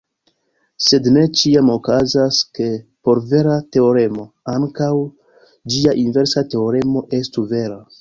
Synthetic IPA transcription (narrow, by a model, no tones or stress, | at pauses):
se̞dne̞t͡ʃiamo̞kazaske̞po̞ɾve̞ɾate̞o̞ɾe̞mo̞ | aŋkaw | d͡ʒiaʔinve̞ɾsate̞o̞ɾe̞mo̞ʔe̞stuve̞ɾa